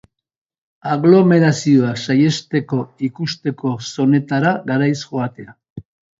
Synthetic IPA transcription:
aɣlo̞me̞ɾasio̞aksaje̞st̪e̞ko̞ikust̪e̞ko̞so̞ne̞t̪aɾaɣaɾajsʝoat̪e̞a

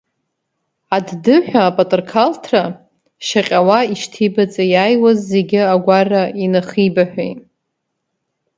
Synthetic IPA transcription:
addɨħʷᶣaːpʼatʼɨrkʰaltʰra | ʃaqʲʼawaiʃtʰibat͡sʼajaːjwazːeɡʲɪaɡʷarainaχibaħʷᶣḛj

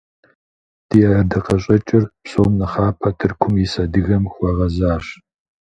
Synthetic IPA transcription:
d̥ijɐɐdɐqɐɕʼɐt͡ʃʼɪrpsoːmnɐχaːpʰɐtʰɨrkʷʰʊmjɪsɐdɨɣɐmxʷɔʁɐzaːɕ

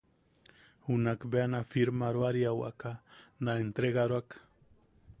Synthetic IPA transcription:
hunakbeanafiɾmaɾwaɾjawa̰kanaent̪ɾeɣaɾwak

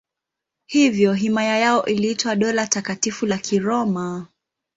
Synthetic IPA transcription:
hivjɔɦimajajaɔʔiliitwaɗɔlatakatifulakʰiɾɔma

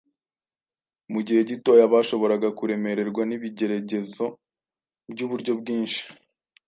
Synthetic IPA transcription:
muɟihe̞ɟito̞jaβaːʃo̞βo̞ɾaɡakuɾe̞me̞ɾe̞ɾɡwaniβiɟe̞ɾaɟe̞zo̞ | bɟuβuɾɟo̞b̚ɡiːnʃi̥

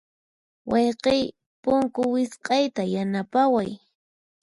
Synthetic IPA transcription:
wʔɑjqɪj | pʊŋkʊwɪsqʼɑjt̪ajanapawaj

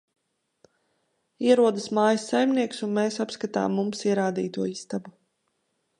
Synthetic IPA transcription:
iɛɾuɔd̪ɐsmaːjɐsːajmniɛksunmeːsapskat̪a̰ːmːumsiɛɾaːd̪ḭːt̪uɔist̪abu

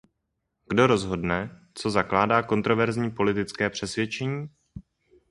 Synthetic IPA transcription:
ɡ̥do̞ɾo̞zɦo̞dnɛ | t͡so̞zaklaːdaːko̞nt̪ɾo̞vɛɾzɲiːpo̞lɪt̪ɪt͡skɛːpr̝̥ɛsvjɛt͡ʃɛɲiː

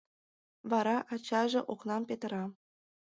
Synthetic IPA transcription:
βɑɾɑʔɑt͡ɕɑʒĕʔoknɑmpet̪əɾɑ

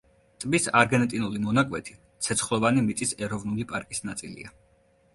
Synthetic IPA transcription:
t̪ʼbisa̰ɾɡɛnɛt̪ʼinulimɔnakʼwɛt̪ʰi̥ | t̪sʰɛt̪sʰχlˠɔvanimit̪sʼisɛɾɔvnulipʼaɾkʼisnat̪sʼilḭa

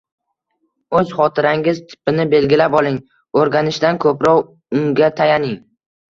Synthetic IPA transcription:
ɵzχɒt̪ʰɪɾaŋɪzt̪ʰɪ̥pɪnɪbe̞lɡʲɪlapɒlˠɪŋ | oɾɡʲanɪʃd̪ankʰɵpɾɒw | ʊŋɡʲat̪ʰajanɪŋ

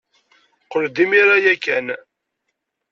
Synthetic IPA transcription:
qəɾd̪imiɾajækːæn

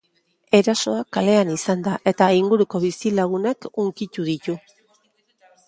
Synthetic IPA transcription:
e̞ɾaso̞akale̞anisand̪aʔe̞t̪aiŋɡuɾuko̞βisilaɣunakuŋkit̪uðit̪u

